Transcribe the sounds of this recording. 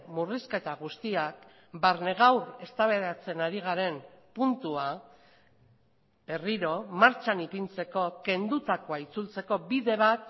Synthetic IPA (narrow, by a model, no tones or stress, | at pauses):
muriske̞t̪aɣ̞ust̪iak | baɾne̞ɣ̞awɾe̞st̪aβe̞ɾat͡se̞naɾiɣ̞aɾe̞mpunt̪ua | be̞riɾo̞maɾt͡ʃanipint͡se̞ko̞ke̞nd̪ut̪akoait͡sult͡se̞ko̞biðe̞β̞at̪